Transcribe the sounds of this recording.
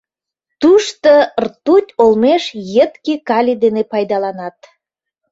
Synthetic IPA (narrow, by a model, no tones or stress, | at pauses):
t̪uʃt̪ort̪ut̪ʲolmeʃjət̪kikɑlʲid̪enepɑjd̪ɑlɑnɑt̪̚